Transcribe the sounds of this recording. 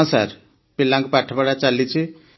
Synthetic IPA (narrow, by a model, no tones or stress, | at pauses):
ãsa̰ɾ | pilːãŋkpaʈʰbaɽat͡salit͡ʃʰi